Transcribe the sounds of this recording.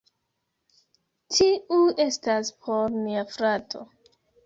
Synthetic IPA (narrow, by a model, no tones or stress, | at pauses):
tʰiue̞staspʰo̞ɾmiafɾatʰo̰